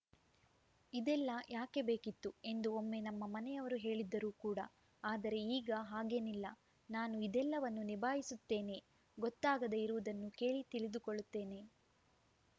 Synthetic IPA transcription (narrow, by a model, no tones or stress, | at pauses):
id̪ɛlːɐjʔaːke̞be̞ːkit̪ːue̞nd̪uomːe̞nɐmːɐmɐnɛjɐʋɐɾuɦe̞ːɭid̪ːɐɾuːkuːɽɐ̰ | aːd̪ɐɾe̞iːɡɐɦaːɡe̞nilːɐ | naːnuid̪ɛlːɐʋɐnːunibʱaːɦisut̪ːe̞ːne̞ | ɡɔt̪ːaːɡɐd̪eiɾuʋud̪ɐnːuke̞ːɭit̪iɭid̪ukoɭːut̪ːe̞ːne̞